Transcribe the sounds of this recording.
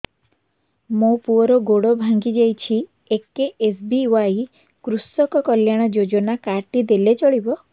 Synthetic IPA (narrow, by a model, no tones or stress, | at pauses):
mopuɔɾɔɡoɽɔbʱaŋɡid͡ʒejt͡ʃʰi | ekeʔesbiwaj | kɾusɔkɔkɔljaɽ̃ɔd͡ʒod͡ʒɔnakaʈid̪elet͡ʃɔɽibɔ